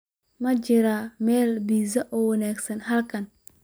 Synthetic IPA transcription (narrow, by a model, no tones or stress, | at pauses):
mɐt͡ʃɪɾamɛːlbiːsɐʔɔːwɐnaːɡsɐnɦɐlkʰɐn